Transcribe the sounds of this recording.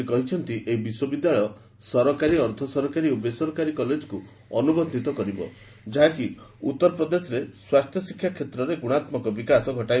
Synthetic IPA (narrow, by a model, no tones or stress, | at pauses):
ikɔɦit͡ʃʰɔnt̪iʔeɦibiswɔbid̪jaɭɔɔ | sɔɾɔkaɾiɔɾt̪ʰɔsɔɾɔkaɾiobesɔɾɔkaɾikɔled͡ʒku | ɔnubɔnd̪ʱit̪ɔkɔɾibɔ̰ | d͡ʒaɦaki | ut̪ːɔɾɔpɾɔd̪esɔɾeswast̪ʰjɔsikʰːjakʰet̪ɾɔɾeɡuɽ̃at̪mɔkɔbikasɔɡʱɔʈaj